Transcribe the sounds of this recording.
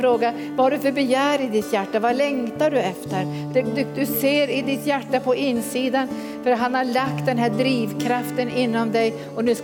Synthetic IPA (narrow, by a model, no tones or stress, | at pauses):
ɾoːɡa | vahaɖɵ̟fœɾbɛjæːɾɪd̪ɪt̪jæʈːavalɛŋt̪aɖɵɛft̪əɾ | d̪ɛd̪d̪ɵseːɾɪd̪ɪt̪jæʈːapʰɔʔɪnːsiːd̪an | fœɾɦanhaɭak̚t̪̚d̪ɛnɦæːɖɾiːvkʰɾaft̪ənɪnːɔmd̪ɛj | ɔnʉs